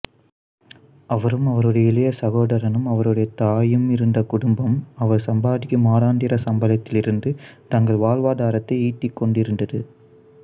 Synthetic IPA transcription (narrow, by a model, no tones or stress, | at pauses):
ɐʋɐɾɯmɐʋɐɾɯɽɐjɐɪlɐjɐsɐɣoːɽɐɾɐnɯmɐʋɐɾɯɽɐjɐt̪aːjɯmɪɾɯnd̪ɐkʊɽʊmbɐmɐʋɐɾsɐmbaːðɪkːɯmaːɽaːɳɖɪɾɐsɐmbɐlɐt̪ːɪlɪɾɯnd̪ɯt̪ɐŋɡɐɭʋaːɭʋaːðaːɾɐt̪ːɐɪiːʈːɪkːɔɳɖɪɾɯnd̪ɐðɯ